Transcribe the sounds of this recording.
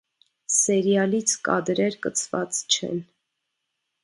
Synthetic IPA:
sɛɾjɑlit͡sʰkɑ̰d̪ɾɛɾkət͡sʰvɑt͡st͡ʃʰɛ̰n

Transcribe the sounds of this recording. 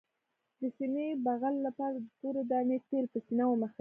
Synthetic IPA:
d̪əsimebaɣalːapɑɾad̪əkoɾod̪anet̪elpəsinawəməxa

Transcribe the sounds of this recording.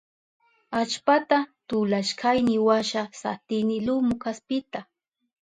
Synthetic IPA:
at͡ʃpat̪at̪ʊlaʃkʰajnɪwaʃasa̰t̪ɪnɪlʊmʊkaspɪt̪a

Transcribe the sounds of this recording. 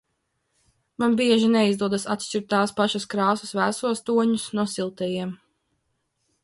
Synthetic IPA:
manbiɛʒinɛizd̪uɔd̪asat̪ʃʲt͡ʃiɾt̪ːaːspaʃaskɾɑːsusvæːsuɔst̪uɔɲusnuɔsilˠt̪ɛjiɛm

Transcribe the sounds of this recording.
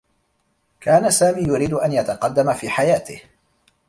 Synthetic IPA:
kaːnasaːmiːjʊɾiːd̪ʊʔanjat̪ɑqɑd̪ːamafiːħajaːt̪ɪh

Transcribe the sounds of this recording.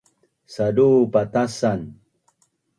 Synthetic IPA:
sadupat̪asan

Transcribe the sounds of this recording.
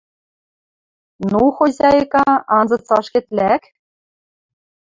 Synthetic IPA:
nuxozʲɑjɤkɑɑnzɤ̆t͡sɑʃkʲĕt̪læk

